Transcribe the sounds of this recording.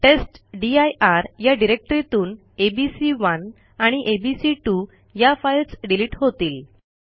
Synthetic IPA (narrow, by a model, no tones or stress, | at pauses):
ʈesʈɖiajʔaɾjaɖiɾek̚ʈɾit̪uːn | ebisiʋən | aɽ̃iʔebisiʈu | jafajlsɖiliːʈɦot̪iːl